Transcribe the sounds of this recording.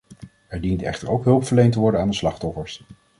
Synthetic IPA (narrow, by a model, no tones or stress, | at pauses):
ɛɹdintɛ̰χtəɹowkɦɵlˠpfəɹlejnt̬əʋɔɹdənaːndəslɑχtɔfəɹs